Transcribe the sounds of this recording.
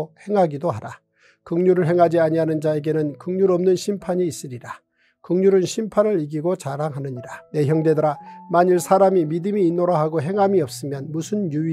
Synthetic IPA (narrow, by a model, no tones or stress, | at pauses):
he̞ŋɦaɡidoɦaɾa | kɯŋɲuɾɯɭɦeŋɦad͡ʑiaɲiɦanɯnd͡ʑae̞ɡe̞nɯnkɯŋɲuɾʌmnɯnɕʰimpʰaɲiːs͈ɯɾiɾa | kɯŋɲuɾɯnɕʰimpʰanɯɾiɡiɡot͡ɕaɾaŋɦanɯɲiɾane̞çjʌŋde̞dɯɾamaɲiɭsʰaɾamimidɯmiːnːoɾaɦaɡoɦe̞ŋɦamiʌp̚s͈ɯmjʌnmusʰɯnju